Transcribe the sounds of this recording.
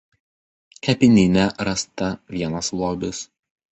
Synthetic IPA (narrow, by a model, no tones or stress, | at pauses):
kʲɛpʲɪnʲɪnʲɛɾɐst̪ɐʋʲiɛnɐslˠoːbʲɪs